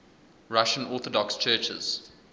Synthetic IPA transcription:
ɹaʃə̃nɔˑθədɔkst͡ʃʰɜːt͡ʃə̰z̥

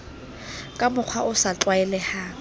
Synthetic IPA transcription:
kʼamʊq͡χʰwaʊsat͡ɬwaɛlɛhaː

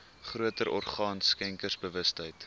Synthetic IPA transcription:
χruətəɾʔɔ̰rχɑːnskɛŋkərsbəvəstɦəjt

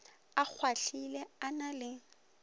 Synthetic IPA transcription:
ak͡xʰwaɬilɛanalɪ

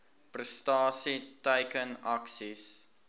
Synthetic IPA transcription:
prəstɑːsitəjkənɐksis

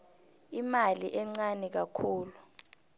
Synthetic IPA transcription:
imaliʔɛŋ͡ǀanɛk̬akʰuːlu

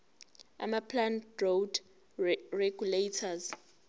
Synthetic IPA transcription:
a̰mapʰlanrowd | reɡ̥uletʰaz

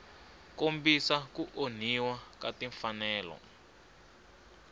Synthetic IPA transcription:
kombisakuʔon̤iwakatiɱfanɛːlɔ̰

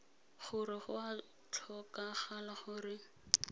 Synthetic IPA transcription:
χʊrɪχʊa | t͡ɬʰɔkaχalaχʊrɪ

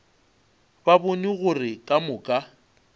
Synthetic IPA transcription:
babʊniɣʊrɪkʼamʊkʼa

